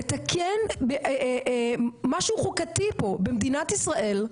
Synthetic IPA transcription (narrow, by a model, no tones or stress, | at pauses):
et̪akʰjenbeʔ | maʃuχukat̪ipo̞bemd̪inat̪isʁaʔe̞l